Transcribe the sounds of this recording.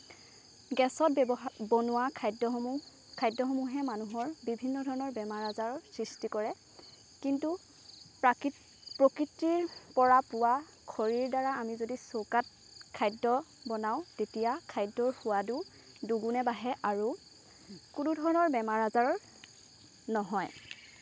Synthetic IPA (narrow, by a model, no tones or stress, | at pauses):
ɡɛsɔt̚bɔnʊwakʰajdɔ | kʰajdːɔxɔmuɦɛmanuɦɔɹbibʱinːɔdʱɔɹɔnɔɹbɛmaɹazaɹɔsɹistikɔɹɛ | kintu | pɹokɹitːiɹpɔɹapʊwa | kʰɔɹiɹdaɹaamizodisokat̚ | kʰajdːɔbɔnaʊ̃tetijakʰajdɔɹhʊwadu | duɡunɛbaɦɛʔaɹu | kunudʱɔɹɔnɔɹbɛmaɹazaɹɔɹ | nɔɦɔj